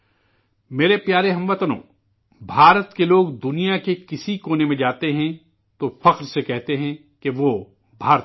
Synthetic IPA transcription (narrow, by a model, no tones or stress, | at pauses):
meːɾepjaːɾeɦɐ̃mʋɐt̪nõ̰ː | bʱaːɾət̪keloːɡd̪ʊnijakekɪsikoːnemẽd͡ʒaːt̪eɦɛ̃ | t̪ofɐqɾsekɛɦt̪eɦɛ̃ | keʋoː | bʱaːɾ